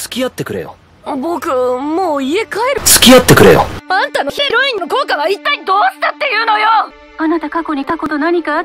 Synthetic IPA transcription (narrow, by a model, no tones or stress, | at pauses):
t͡sɨ̥kʲijat̪ːe̞kɯ̟ɾe̞̰jo̰ | bo̞kɯ̟moːie̞kaeɾɯ̟t͡sɨ̥kʲijat̪ːe̞kɯ̟ɾe̞̰jo̰ãnt̪anoçeɾo̞ĩnːo̞ko̞ːkaβait̪ːaid̪o̞ːɕɨ̥t̪at̪ːe̞jɯ̟ːno̞jo | anat̪akako̞ɲ̟ikako̞t̪o̞naɲ̟ika